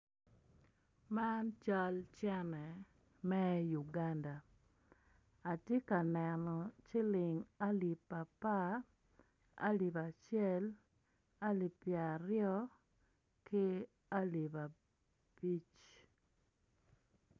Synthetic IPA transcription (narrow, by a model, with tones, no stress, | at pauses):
ma˦nt͡ʃa˦lt͡ʃɛ˦nɛ˨ | mɛ˦ju˨ɡa˦nda˨ | a˨tje˦ka˨nɛ˨nɔ˨t͡ʃɪ˦lɪ˨ŋa˦li˨pa˨pa˦ | a̰˦li˨ba˨t͡ʃjɛ˦l | a˦li˨pja˨ɾɪjɔ˦ | kɪ˦ | a˦li˨ba˨ | pi˦t͡ʃ